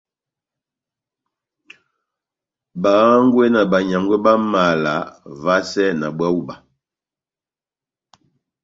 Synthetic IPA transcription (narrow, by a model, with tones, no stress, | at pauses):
ba˨˦ŋ̩˦ɡwe˦na˨ba˨ɲa˨ŋɡwɛ˦ba˦ma˨la̰˨˦va˦sɛ˦na˨bwa˦wu˦ba˨